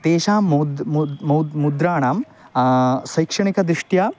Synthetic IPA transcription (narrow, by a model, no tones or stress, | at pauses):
t̪eːʃaːdmɐwmud̪ɾaːɳaːm | sɐjkʂɐɳikɐd̪ɾiʂʈjaː